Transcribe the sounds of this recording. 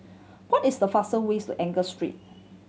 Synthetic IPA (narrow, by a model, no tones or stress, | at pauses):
wɔtɪsdəfasəwestṵʔɛ̃ŋɡəstɹḭt̚